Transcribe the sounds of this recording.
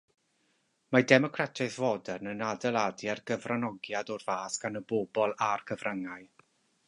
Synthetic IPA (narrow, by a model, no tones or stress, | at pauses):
madɛmɔkʰratʰaθvɔdɛrnənadəlˠadjarɡəvranɔɡjadɔrv̥aːsɡ̥anəboːbɔlˠarkʰəvraŋaɨ